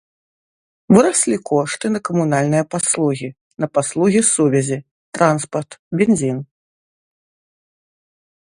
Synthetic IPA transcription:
vɨɾasʲlʲikɔʂt̪ɨnɐkɐmunalʲnɨjɐpaslˠuɣʲi | nɐpaslˠuɣʲisuvʲɛzʲi | t̪ɾanspɐrt̪bʲenʲzʲin

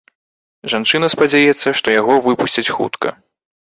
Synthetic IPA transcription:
ʐant͡ʂɨnɐspad͡zʲajɛt̪sːɐʂt̪ɔjaɣɔvɨpusʲt͡sʲɐt͡sʲxṵt̪kɐ̰

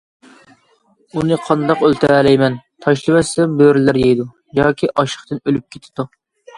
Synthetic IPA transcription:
unɨqʰɑnd̪ɑqølt̪ʰɪɾælɛjmɛnt̪ʰɑʃlˠɨmɛsːɛmbøɾɪlæɾjɛjd̪u | jɑːkʲʰiʔɑʃə̥χt̪ɨnølyp̚kʲʰet̪ʰɪd̪u

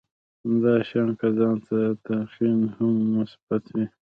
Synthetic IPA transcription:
hamd̪ɑːʃɑnkazɑːnt̪at̪aqinhamːʊsb̥at̪wi

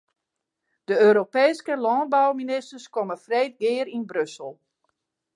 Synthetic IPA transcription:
d̥əøːɾopeːskəlɔn̚bawminɪstərskoməfrejt̚ɡɪːɾinbrøsəlˠ

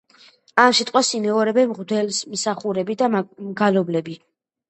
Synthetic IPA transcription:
amsit̪ʼqʼwasimɛɔɾɛbɛmʁd̪ɛlsmsaχuɾɛbid̪amɡalɔblɛbi

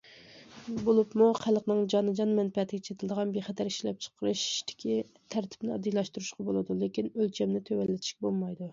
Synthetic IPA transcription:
bolˠɨpmuχʰælˠqnɨŋd͡ʒɑnɨd͡ʒɑnmɛnpɛt̪ʰːɪɡʲɛt͡ʃʰet̪ʰɪld̪əʁɑnbeχɛt̪ʰæɾi̥ʃlɛp̚t͡ʃʰə̥qʰəɾɨʃd̪̥ɪ̥kʲʰi | t̪ʰæɾt̪ʰɪ̥pnɪɑd̪ijlˠɑʃt̪uɾuʃqɑbolˠɨd̪ulekʲinølt͡ʃʰɛmnɪt̪ʰøwɛlːɪt̪ʰɪ̥ʃkʲbolˠmɑjd̪u

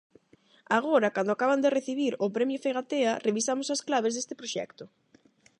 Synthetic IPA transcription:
aɣ̞oɾɐkand̪oakaβand̪ereθiβiɾʊpɾɛmjofeɣat̪eɐreβisamʊsɐsklaβezðest̪ɪpɾoʃɛ̰kt̪ʊ

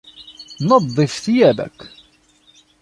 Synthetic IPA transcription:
nɑd̪ˤːɪfθjæbæ̰kː

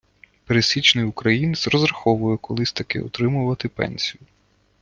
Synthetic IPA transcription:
peɾesʲit͡ʃnɪjʊkɾɐjinzɾɔzɾɐxɔʋʊjɛkɔlˠɪsʲt̪ɐkɪ̰ɔ̰t̪ɾɪmʊʋɐt̪ɪpɛ̰nʲsʲijʊ

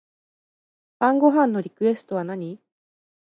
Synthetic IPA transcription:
b̥ãŋɡo̞ɦãnːo̞ɾʲikɯ̟e̞sɨ̥t̪o̞βanaɲ̟i

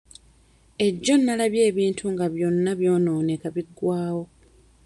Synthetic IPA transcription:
e̞ɟːo̞nːalaβje̞ːβiːntʰuŋɡaβjo̞nːaβjo̞ːno̞ːnekaβiɡːwaːwo̞

